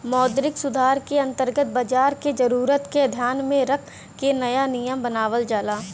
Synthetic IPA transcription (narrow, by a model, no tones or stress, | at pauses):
mɔːd̪ɾɪksʊd̪ʱaːɾkeɐ̃nt̪əɾɡət̪̚baːd͡ʒaːɾked͡ʒɐɾuːɾət̪keɐd̪ʱjaːnmẽɾɐkʰ | kenɐjanijəmbɐnaːʋəld͡ʒaːlaː